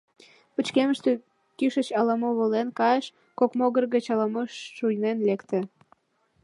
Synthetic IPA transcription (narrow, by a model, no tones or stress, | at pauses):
pət͡ɕkeməʃt̪ø | kyʃət͡ɕɑlɑmoβolenkɑeʃ | kokmoɣərɣət͡ɕɑlɑmoʃːujnenlekt̪ĕ